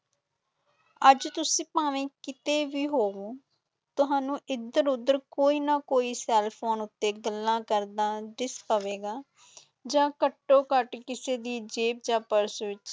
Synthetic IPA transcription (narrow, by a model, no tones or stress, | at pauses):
əd͡ʒt̪ʊsĩːpaːʋẽːkɪt̪eːʋiːɦoːɡõː | t̪ʊɦãːnũːʔɪd̪əɾʊd̪ːəɾkoːiːnaːkoːiːsɛːlpʰoːnʊt̪ːeːɡəlːãːkəɾd̪aːɖɪspəʋeːɡaː | d͡ʒãːkəʈːoːkəʈkɪseːd̪iːd͡ʒeːp̚d͡ʒãːpəɾsʋɪt͡ʃ